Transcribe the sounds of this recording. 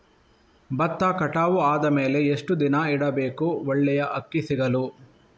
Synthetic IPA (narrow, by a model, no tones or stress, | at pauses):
bɐt̪ːaːkɐʈaːʋuaːd̪ɐme̞ːle̞eʂʈud̪inɐiɽɐbe̞ːkuɔɭːɛjɐʔɐkːisiɡɐlu